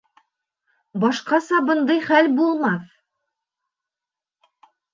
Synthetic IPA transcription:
bɑʃqɑsɑbɤ̆nd̪ɤjχælbulˠmɑθ

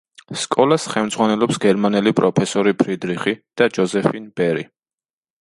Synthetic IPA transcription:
skʼɔlasχɛlmd̪zʁwanɛlˠɔpsɡɛɾmanɛlipʼɾɔpʰɛsɔɾipʰɾid̪ɾiχid̪̥ad͡ʒɔzɛfinb̥ɛɾi

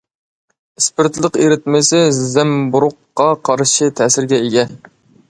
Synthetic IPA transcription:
ɪspɪɾt̪lˠəqeɾɪt̪mɪsɪzɛmbuɾʊqːɑqʰɑɾʃɨt̪ʰɛsɪɾɡʲɛeɡʲɛ

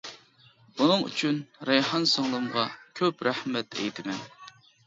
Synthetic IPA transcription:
unɨŋy̰t͡ʃʰynɾɛjhɑnsoŋlˠɨmʁɑkʲʰøpɾæhmɛt̪ʰɛ̰jt̪ʰɪmɛn

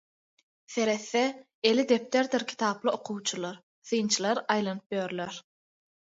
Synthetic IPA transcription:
θe̞ɾe̞θːe | elid̪e̞p̚t̪eɾd̪iɾkʲʰi̥t̪ʰɑːplˠɯoqʰuwt͡ʃʰulˠɑɾ | θɯjnt͡ʃʰɯlˠɑɾɑjlˠɑnɯp̚jøːɾleɾ

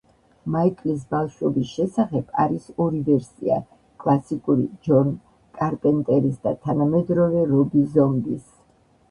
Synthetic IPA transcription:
maikʼlis̬balˠʃwɔbisʃɛsaχɛb̥aɾisɔɾivɛɾsia̰ | kʼlˠasikʼuɾḭd͡ʒɔn | kʼaɾpʼɛnt̪ʼɛɾisd̪at̪ʰanamɛd̪ɾɔvɛɾɔbizɔmbis

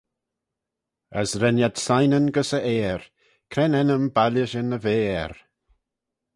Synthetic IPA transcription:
ə̰sɾɛnjadsajnənɡəsəʔeːɾ | kʰɾɛnɛnəmbalʲəʃənəveːɾ

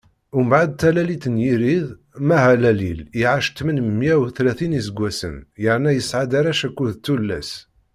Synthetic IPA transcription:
umbʕad̪̚t̪ːælælit̪ənjiɾið | mæɦælæliliʕaʃt̪ːmənmmːjæwθlæθinisəɡʷːæsə̰njəʕnæjəsʕad̪aɾæʃækːuðt̪ːulːæs

